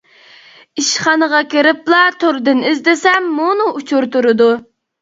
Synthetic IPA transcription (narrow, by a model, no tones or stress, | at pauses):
iʃχɑnəʁɑkʲeɾɪplˠɑt̪ʰoɾd̪ɨnɪzd̪ɪsɛmːunuʔut͡ʃʰuɾt̪uɾɨd̪u